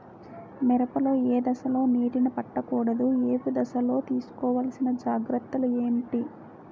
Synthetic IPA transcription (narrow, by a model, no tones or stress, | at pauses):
mɛɾɐpɐloːeːd̪ɐʃɐlo̞ːniːʈinɐpɐʈːɐkuːɽɐd̪ueːpid̪ɐʃɐlo̞ːt̪iːsu̥kɔːʋaːlɐsinɐd͡ʒaːɡɾɐt̪ːɐlueːɳʈi